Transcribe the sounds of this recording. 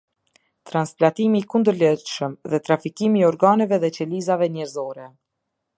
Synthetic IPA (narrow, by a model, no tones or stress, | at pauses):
t̪ɾansplat̪imikund̪əɾlɛʃəmðɛt̪ɾafikimiɔɾɡanɛvɛðɛt͡ɕɛlizavɛnɛɾzɔɾɛ